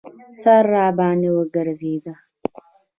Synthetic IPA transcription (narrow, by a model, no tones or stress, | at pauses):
sarːaːbaːnɪwɐɡɐɾziːd̪a